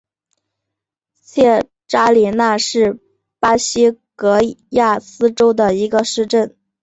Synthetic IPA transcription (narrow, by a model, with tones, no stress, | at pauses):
t͡ɕʰjɛ˥˩ | ʈ͡ʂa˥li˨˩na˥˧ʂɻ̩˥˩ | pa˥ɕi˥kɤ˧˥ja˥˩sɹ̩˥ʈ͡ʂo˥ʊd̪ə˨i˧˥ɡə˧ʂɻ̩˥˧ʈ͡ʂə˥˩n